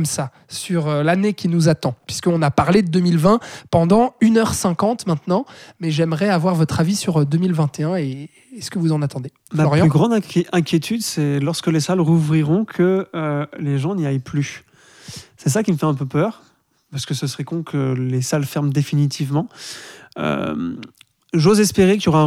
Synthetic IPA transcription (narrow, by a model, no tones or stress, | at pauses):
msa | syʁølanekʲinuzat̪ɑ̃pɥiskəɔ̃napaʁled̪əd̪ømilvɛ̃pɑ̃d̪ɑ̃ynœʁsɛ̃kɑ̃t̪mɛ̃t̪nɑ̃mɛʒɛmʁɛavwaʁvɔt̪χavisyʁd̪ømilvɛ̃t̪eɛ̃e | skəvuzɑ̃nat̪ɑ̃d̪e | fmapɔʁjɑ̃lyɡʁɑ̃d̪ɛ̃ʔɛ̃kʲjet̪ʰyd̪sɛlɔʁskəlesalʁuvʁiʁɔ̃kʰəøleʒɑ̃niajply | sɛs̬akʲiməfɛɛ̃p̬øpœːʁ | paʁskəsəsəʁɛkɔ̃kʰəlesalfɛʁmd̪efinit̪ʰivmɑ̃ | ø̰m | ʒozɛspeʁekjɔʁã